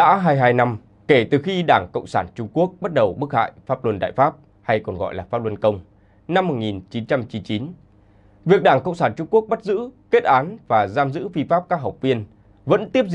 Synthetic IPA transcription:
ɗa̰ː˧˥ɦaː˧jɦaː˧jna˧m | ke˧˩t̪ɨ˨˩xi˧ɗaː˧˩ŋkə̰˧˨wŋ͡msaː˧˩nt͡ɕʊ˧ŋ͡mku˦˥ək̚ɓa˦˥t̚ɗə˨˩wɓɨ˦˥ək̚ha̰ː˧˨jfaː˦˥p̚lə˧nɗa̰ː˧˨jfaː˦˥p̚ | ha˧jkɔ˨˩nɣɔ̰˧˨jlaː˨˩faː˦˥lə˧nkə˧wŋ͡m | na˧mːo˨˩t̚ŋi˨˩nt͡ɕi˨˦nt͡ɕa˧mt͡ɕi˨˦nt͡ɕi˨˦n | vi˨˩ək̚ɗaː˧˩ŋkə̰˧˨wŋ͡msaː˧˩nt͡ɕʊ˧ŋ͡mku˦˥ək̚ɓa˦˥t̚zɨ̰˧˥ke˦˥t̚ʔaː˨˦nvaː˨˩zaː˧mzɨ̰˧˥fi˧faː˦˥p̚kaː˦˥k̚ɦw̚k͡p̚vi˧ən | və̰˧˥nt̪i˦˥əp̚

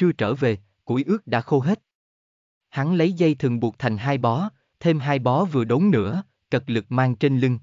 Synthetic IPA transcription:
t͡ɕɨ˧ət͡ɕəː˧˩ve˨˩ | kṵ˧˩jʔɨ˦˥ək̚ɗa̰ː˧˥xo˧ɦe˦˥t̚ | ha˨˦ŋlə˨˦jzə˧jt̪ʰɨ˨˩əŋɓu˨˩ək̚t̪ʰa˨˩jŋ̟ɦaː˧jɓɔ˨˦ | t̪ʰe˧mɦaː˧jɓɔ˨˦vɨ˨˩əɗo˨˦ŋ͡mnɨ̰˧˥ə | kə˨˩k̚lɨ˨˩k̚maː˧ŋt͡ɕe˧nli˧ŋ

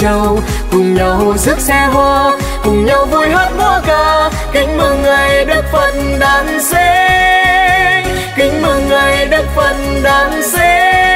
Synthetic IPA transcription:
ə˧w | kʊ˨˩ŋ͡mɲa˨˩ɦo˧˩jzɨ˦˥t̚sɛ˧ɦwaː˧ | kʊ˨˩ŋ͡mɲa˧wvu˧jɦə˦˥t̚mɔ˧˦kəː˧˩ | kï˨˦ŋ̟məː˧ŋŋa˨˩jɗə˦˥k̚fə˨˩n | ɗaː˨˦nse˧˦ | kï˨˦ŋ̟məː˧˩ŋa˨˩jɗə˦˥k̚fə˨˩n | ɗaː˨˦nse˧˦

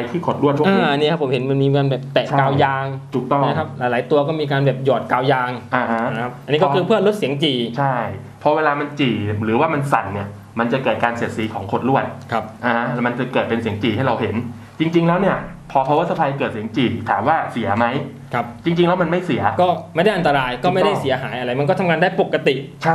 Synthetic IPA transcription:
a˧jt̪ʰiː˥˩kʰo˨˩t̪̚ɾu˥˩ət̪aː˧ʔa˧ni˦˥˩ka˦˥pʰːo˩˦mhe˩˦nma˧nmiː˧kaː˧nbɛː˨˩p̚t̪ɛ˨˩ʔʰa˦kaː˧wjaː˧ŋt̪ʰu˨˩k̚t̪ɔ˥˩ma˦˥kʰa˦˥p̚laː˩˦jlaː˩˦jt̪u˧ɐkɔː˥˩miː˧k̬aː˧nbɛː˨˩p̚jɔː˨˩t̪̚kaː˧wjaː˧ŋʔa˧a˧˦˥a˦kʰa˦˥p̚ʔa˧nːiː˦˥kɔ˥˧kʰɯː˧pʰɯ˥˩əlo˦˥t̪̚si˩˦əŋt͡ɕiː˨˩t͡ɕʰa˥˩j | pʰɔ˧˥weː˧laː˧ma˧nt͡ɕiː˨˩ɾɯː˩˦waː˥˩ma˧nsa˨˩nːi˥˩ɐ | ma˧nt͡ɕa˨˩kɤː˨˩kaː˧nsiː˨˩t̪̚siː˨˦kʰɔː˩˦ŋkʰo˧˨˩t̪̚ɾu˥˩ət̪̚kʰa˦˥p̚ʔa˧ha˦˥ma˧nt͡ɕa˨˩kɤː˨˩t̪̚pe˧nsi˩˦əŋt͡ɕiː˨˩ha˥˩jɾa˧wɦe˩˦n | t͡ɕi˧ŋt͡ɕi˧ŋlɛː˦˥wni˥˩ɐpʰɔ˧pʰɔ˧waː˦˥t̪̚sa˧pʰaː˧jkɤː˨˩t̪̚si˩˦əŋt͡ɕiː˨˩t̪ʰaː˩˦mwaː˥˩si˨˩˦ɐma˦˥j | kʰa˦˥p̚t͡ɕi˧ŋt͡ɕi˧ŋlɛː˦˥wma˧nma˥˩jsi˨˩˦ɐkɔː˥˩ma˥˩jda˥˩jʔa˧nt̪a˧ɾaː˧jkɔː˥˩ma˥˩jda˥˩si˨˩˦ɐɦaː˩˦jʔa˧ɾa˧jma˧nkɔ˥˩t̪ʰa˧ŋaː˧ndaː˥˩jpo˨˩kːa˧t̪i˨˩ʔt͡ɕʰa˥˩

